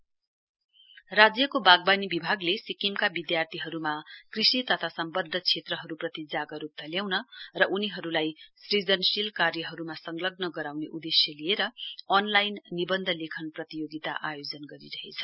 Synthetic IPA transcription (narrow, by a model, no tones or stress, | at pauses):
rad͡zjʌkobaɡ̚banibibʱaɡlesikimkabid̪jart̪ʰiɦʌɾumakrisit̪ʌt̪ʰasʌmbʌd̪ʱːʌt͡sʰet̪rʌɦʌɾuprʌt̪id͡zaɡʌɾup̚t̪ʰʌljawnʌrʌʔuniɦʌɾulajsrid͡zʌnsilkarjʌɦʌɾumasʌŋlʌɡ̚nʌɡʌɾawneʔud̪esjʌlieɾʌʌnlajnːibʌnd̪ʱʌlekʰʌnprʌt̪ijoɡit̪a̰ʔajod͡zʌnɡʌɾḭɾʌɦet͡sʰʌ̥